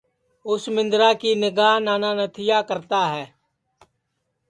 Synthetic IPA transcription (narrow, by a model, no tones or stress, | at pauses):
ʊsmɪ̃nd̪ɾaːkiːnɪɡaːɦnaːnaːnət̪ʰɪjaːkəɾt̪aːɦɛː